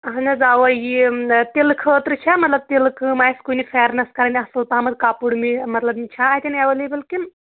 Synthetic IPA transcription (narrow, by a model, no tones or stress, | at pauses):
ɦɐnɐzaːwɐjit̪elkʰəːt̪ɾɨt͡ʃʰamɐt̪lɐb̚t̪el̚kɨmaːjiskunifʰɛːɾnɐskɐɾɐnʲiɐsɨlpaɦmɐd̪kaːpuɽmimɐt̪lɐbmit͡ʃʰaːt̪ʲineʋɐlebɐlkin